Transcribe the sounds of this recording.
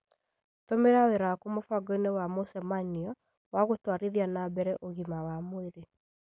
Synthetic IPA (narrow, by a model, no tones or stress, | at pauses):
tomeɾaweɾaakumofaɡɔinewamosɛmaniɔ | waɣotwaɾiðianabɛɾɛʔoɣimawamoeɾe